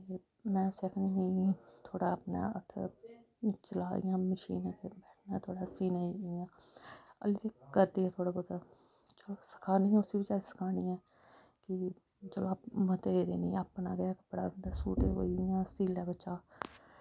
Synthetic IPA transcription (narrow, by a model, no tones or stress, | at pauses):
e | mɛ̃ːʊsekʰːniːnəĩːt̪ʰoːɽaːəpna̰ːət̪ʰḛ | t͡ʃəlaːḭjãːməʃḭːnãːt̪ʰeːbɛːʈʰnaːt̪ʰoːɽaːsiːnaĩjãːə̰lit̪eːkəɾd̪iːɛ̃t̪ʰoːɽaːbod̪a | d͡ʒəloːsə̥kʰaːnĩːɛ̃ːʊsiːbɪt͡ʃaːisə̥kʰaːniːɛ̃ː | kɪ | d͡ʒəlõaːpmət̪eːd̪ḛːnĩːaːpnaːɡaːkə̥pɽa̰ːd̪aːsuːʈḛːo̰ːjãːst̪iːlaːbət͡ʃaː